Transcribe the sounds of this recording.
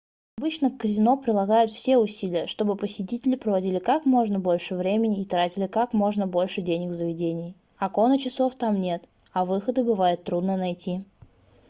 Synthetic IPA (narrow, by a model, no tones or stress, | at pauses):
ɐbɨt͡ɕnəkəzʲɪno̞pɾʲɪlˠɐɡajʊt̪fsʲe̞ʊsʲilʲɪjəʂt̪o̞bɨpəsʲɪt̬ʲitʲɪlʲɪpɾəvɐdʲilʲɪkakmo̞ʐnəbo̞lʲʂɨvɾʲemʲɪnʲɪːt̪ɾatʲɪlʲɪkakmo̞ʐnəbo̞lʲʂɨdʲenʲɪɡvzəvʲɪdʲenʲɪj | ɐko̞nət͡ɕɪso̞ft̪amnʲe̞t̪ | ɐvɨxəd̪ɨbɨvajɪt̪ːɾud̪nənɐjtʲi